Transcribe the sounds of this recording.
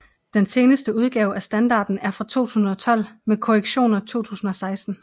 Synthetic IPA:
d̥ense̝ːnəsd̥əuð̞ˠɡ̥ɛːʊæsd̥ænd̥ɑ̈ːd̥n̩æɐfʁɑ̈t͡sʰo̝̰ːt͡sʰuːsn̩ˠɒ̽t͡sʰɒ̽l̰mekʰo̝ʁeɡ̥ɕo̝̰ːnɐt͡sʰo̝̰ːt͡sʰṵːsn̩ɒ̽sɑ̈ɪsd̥n̩

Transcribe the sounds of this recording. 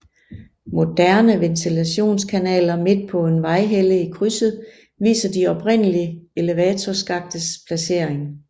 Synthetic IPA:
mo̝d̥æɐnəʋent͡sʰilæɕo̝̰ːnskʰænɛ̰ːlɐme̝d̥̚pʰɒ̽e̝nʋɑ̈ɪɦeləikʰʁysð̩ˠ | ʋḭːsɐd̥iɒ̽b̥ʰʁen̰əliəe̝leʋɛːt͡sʰɒsɡ̥ɑ̈ɡ̥̚d̥əspʰlæse̝ɐ̰eŋ

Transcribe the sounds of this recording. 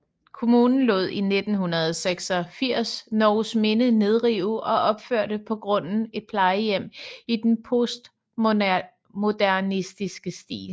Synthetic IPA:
kʰo̝muːnn̩lɔ̰̽ð̞̰ˠine̝d̥n̩ɦunɐð̞ˠseɡ̥sɒ̽fiɐ̰snɒːʊsme̝nəne̝ð̞ˠʁiʊɒ̽ʔɒ̽b̥føɐ̰ɾ̥əpʰɒ̽ɡ̥ʁɔ̽n̰n̩e̝d̥̚pʰlɑ̈ɪəjem̰id̥enpʰosd̥ | mo̝d̥æɐnisd̥isɡ̥əsd̥ḭːl

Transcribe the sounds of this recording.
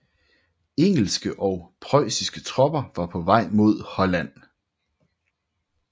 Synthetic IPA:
eŋ̰l̩sɡ̥əʔɒ̽ʊpʰʁɒɪsisɡ̥ət͡sʰʁɒ̽b̥ɐʋɑ̈pʰɒ̽ʋɑ̈ɪ̰mo̝ð̞̰ˠhɒ̽læn̰

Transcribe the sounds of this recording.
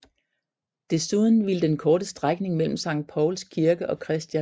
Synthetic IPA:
d̥e̝suðˠn̩ʋiləd̥enkʰɒːɾ̥əsd̥ʁaɡ̥ne̝ŋmel̰m̩sɑ̈ŋ̰d̥̚pʰɒʊlskʰiɐɡ̥əʔɒ̽kʰʁɛsd̥jæ

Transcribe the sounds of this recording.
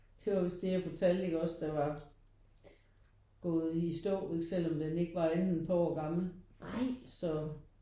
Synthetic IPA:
d̥e̝ʋɑ̈ʋe̝sd̥ejæfɒt͡sʰæl̰d̥e̝ɡ̥ɒ̽sd̥ɑ̈ʋɑ̈ | ɡ̥ɔ̽ːð̞̩ˠisd̥ɔ̰ːe̝ɡ̥sel̰ɒ̽md̥ene̝ɡ̥əʋɑ̈ennpʰɒɒɡ̥ɑ̈ml̩ʔɑ̈ɪ̰sɒ̽

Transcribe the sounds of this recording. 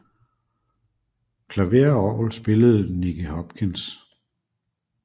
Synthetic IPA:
kʰlæʋeɐɒːlsb̥e̝ləð̞̩ˠniɡ̥əhɒb̥̚kʰins

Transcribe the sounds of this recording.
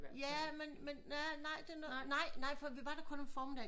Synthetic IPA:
jæmenmenːænɑ̈ɪ̰d̥e̝ɐnɔnɑ̈ɪ̰nɑ̈ɪ̰fɒʋiʋɑ̈ɾ̥ɑkʰɔ̽nenfɒːmed̥ɛ

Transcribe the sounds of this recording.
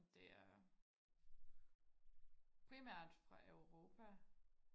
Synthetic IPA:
d̥e̝æɐ | pʰʁimæɐ̰d̥fʁɑ̈ʔøʊʁo̝ːpʰæ

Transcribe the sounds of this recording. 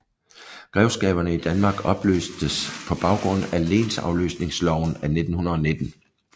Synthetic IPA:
ɡ̥ʁɛʊsɡ̥ɛ̰ːb̥ɐnəid̥ænmɑ̈ːɡ̥ɒ̽b̥lø̰ːsd̥əspʰɒ̽b̥ɑ̈ʊɡ̥ʁɔ̽n̰æle̝̰ːnsɑ̈ʊlø̰ːsne̝ŋslɒʊ̰næne̝d̥n̩hunɐðˠɒne̝d̥n̩

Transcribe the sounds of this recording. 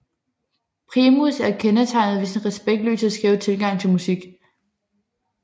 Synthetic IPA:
pʰʁimusæɐkʰenət͡sʰɑ̈ɪ̰nð̩ˠʋesenʁɛsb̥eɡ̥d̥lø̰ːsæsɡ̥ʁɛːʊt͡sʰe̝lɡ̥ɑ̈ŋ̰t͡sʰe̝lmusiɡ̥

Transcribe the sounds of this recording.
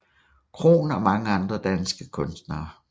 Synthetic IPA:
kʰʁo̝̰ːnɒmɑ̈ŋəɑ̈nd̥ʁɐd̥ænsɡ̥əkʰɔ̽nsd̥nɐː

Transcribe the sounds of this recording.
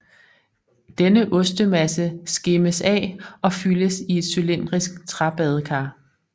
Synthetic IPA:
d̥enəʔɔ̽sd̥əmæsəsɡ̥eməsɛ̰ːɒ̽fyləsie̝d̥sylen̰d̥ʁisɡ̥̚t͡sʰʁɑ̈b̥ɛð̞ˠkʰɑ̈ː

